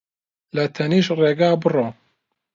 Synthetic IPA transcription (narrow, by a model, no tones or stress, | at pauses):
lɐt̪ʰɐniːʃreːɡaːbɨroː